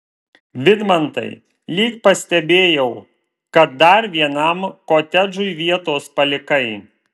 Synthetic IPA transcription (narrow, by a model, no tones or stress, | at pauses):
ʋʲɪd̪mɐnt̪ɐ̰ɪ | lʲiːkpɐsʲt̪ʲɛbʲeːjɛʊ | kɐt̪̚d̪ɐɾʋʲiɛnɐmkoːt̪ʲɛd͡ʒʊɪʋʲiɛt̪oːspɐlʲɪkɐɪ